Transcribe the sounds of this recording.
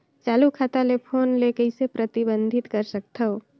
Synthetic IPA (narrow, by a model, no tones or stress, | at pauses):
t͡ʃaːlukʰaːt̪alepʰoːnleːkəisepɾɐt̪ɪbə̃nd̪ʱɪt̪kɐɾsək̚t̪ʰɐɦoː